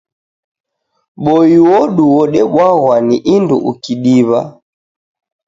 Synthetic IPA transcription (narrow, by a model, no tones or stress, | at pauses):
ɓɔiwɔɗuwɔɗɛɓwaɣwaniʔindṵʔukiɗiβa̰